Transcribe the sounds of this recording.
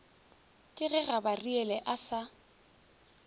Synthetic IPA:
kʼɪɣɛɣabariɛlɛʔasa

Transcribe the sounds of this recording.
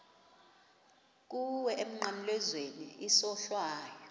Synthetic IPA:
k̬ʼuwɛʔem̩ŋ͡ǃamlɛzweniisɔɬwaːjɔ

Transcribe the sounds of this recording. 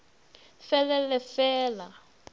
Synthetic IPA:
fɛlɛlɛfɛːla

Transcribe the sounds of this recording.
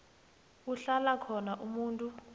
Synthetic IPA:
uɬalakʰɔnaʔumuːntʼu

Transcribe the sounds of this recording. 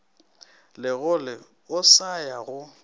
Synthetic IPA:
lɪɣʊlɪ | ʊsajaɣʊ

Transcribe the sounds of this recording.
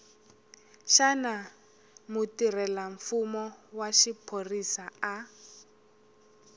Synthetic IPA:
ʃana | mutirɛlaɱfumɔwaʃipʰorisaa

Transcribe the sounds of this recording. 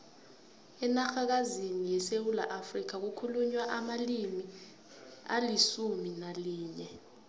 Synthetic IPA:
ɛnaxak̬azinijɛsewulaʔafrik̬ak̬ukʰuluɲwaʔamalimi | a̰lisuminaliːɲɛ

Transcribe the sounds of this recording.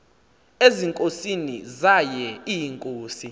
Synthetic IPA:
eziŋkʼosinḭzajɛijiŋkʼoːsi

